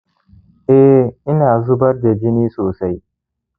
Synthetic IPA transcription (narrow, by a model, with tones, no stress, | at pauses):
ʔɛ˦ʔɪ˦naː˨zʊ˦bɐ˦ɾda˨d͡ʒɪ˦niː˦soː˨sa˦j